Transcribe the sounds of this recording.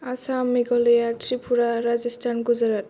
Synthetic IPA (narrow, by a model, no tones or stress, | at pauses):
asameɡɔlejatɾipʰuɾaɾad͡ʑisʈʰanɡuzaɾat